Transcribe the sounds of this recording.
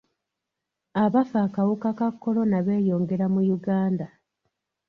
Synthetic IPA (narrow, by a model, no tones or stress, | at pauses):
aβafaːkawukakakːo̞lo̞naβe̞ːjo̞ːŋɡe̞ɾamujuɡaːnda